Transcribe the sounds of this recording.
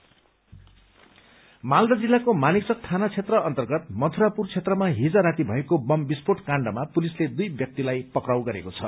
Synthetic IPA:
mald̪ʌd͡zilːakomaniksʌk̚t̪ʰanat͡sʰet̪rʌʌnt̪ʌrɡʌt̪̚mʌt̪ʰuɾapurt͡sʰet̪rʌmaɦid͡zaɾat̪ibʱʌekobʌmbispoʈkaɳɖʌmapulisled̪ujbjʌk̚t̪ilajpʌkrawɡʌɾḛkot͡sʰʌ̰

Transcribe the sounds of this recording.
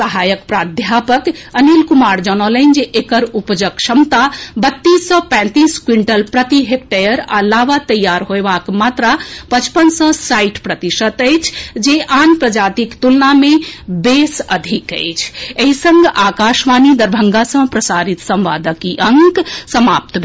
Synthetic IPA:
səɦajəkpɾad̪ʱjapəkənilkumaɾd͡ʒənələnd͡ʒeʔekəɾupd͡ʒəkʃəmt̪abət̪ːisːə̃pɛ̃t̪iskwiɳʈəlpɾət̪iɦep̚ʈəjəɾa̰laʋat̪əjːaɾɦoebakmat̪ɾapət͡ʃpənsə̃saiʈpɾət̪iʃət̪əjt͡ʃʰd͡ʒeʔanpɾəd͡ʒat̪ikt̪ulnamebesə̰d̪ʱikə̰ɪt͡ʃʰeɦisə̃ŋɡakaʃmanid̪əɾbʱəŋɡasə̃pɾəsaɾit̪sə̃mʋa̰d̪əkiʔəŋksəma̰p̚t̪bʱ

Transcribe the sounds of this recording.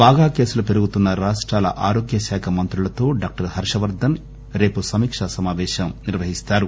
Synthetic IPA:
baːɡaːke̞ːsulɐpe̞ɾuɡut̪unːɐɾaːʂʈɾaːlɐʔaːɾoːɡjɐʃaːkʰɐmɐnt̪ɾulɐt̪o̞ːɖaːk̚ʈɐɾhɐɾʂɐʋɐɾd̪ʱɐn | ɾe̞ːpusɐmiːkʂɐsɐmaːʋɛːʃɐmniɾʋɐɦist̪aːɾu

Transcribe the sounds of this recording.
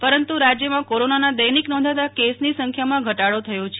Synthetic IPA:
pəɾənt̪uɾad͡ʒjəmãkoɾonanad̪əjniknɔ̃nd̪ʱat̪akesnisəŋkʰjamãɡʱəʈaɽot̪ʰəjõt͡ʃʰe

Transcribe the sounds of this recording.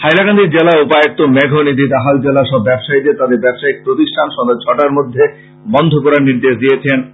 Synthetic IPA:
hajlaɡand̪iɾd͡ʑelaupaek̚t̪omɛɡʱonid̪ʱid̪aɦald͡ʑelaʃɔbːɛbʃaid̪et̪ad̪eɾbɛbʃaik̚pɾot̪iʃʈʰanʃɔŋd̪ed͡ʑʰɔʈaɾmod̪ʱːe | bɔnd̪ʱokɔɾaɾniɾd̪eʃd̪ijet͡ɕʰen

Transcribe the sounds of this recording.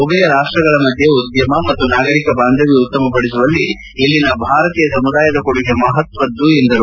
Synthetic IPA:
oɡɐjɐɾaːʂʈɾɐɡɐɭɐmɐd̪ʱjeud̪jɐmɐmɐt̪ːunaːɡɐɾikɐbaːnd̪ʱɐʋiut̪ːɐmɐpɐɽis̬uʋɐlːi | elːinɐbʱaːɾɐt̪iːjɐsɐmud̪aːjɐd̪ɐkoɽuɡemɐɦɐt̪ʋɐd̪ːuend̪ɐɾu

